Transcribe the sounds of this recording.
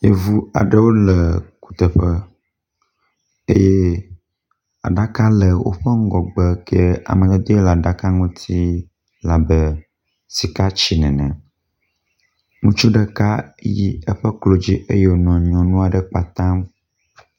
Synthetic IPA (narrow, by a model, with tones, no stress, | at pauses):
je˦vu˦a̰˨ɖə˦wo˦lə˨ku̥˨t̪ə˨ɸə˦ | e˦jɛ˦ | a̰˨ɖa˦ka˦lə˨wo̰˦ɸə˦ŋ̩˦ɡɔ˨ɡ͡bə˦kʰɛ˦a̰˨mə̃˨t̪ɛ˦d̪o˦e˦la˨ɖa˦ka˦ŋũ˦t̪ʰi˦ | la˨bə˦ | si˨ka˦t͡ɕi˨nɛ̃˨nɛ̰̃˨ | ŋũ˦t͡ʃu˦ɖə˦ka˦ji˦ə˦ɸɛ˦klo˨d͡ʑi˦ʔe˦je˦wo˨˦nɔ̃˨ɲɔ̃˨nũ˦a˨ɖə˦k͡pa˨t̪ã˦m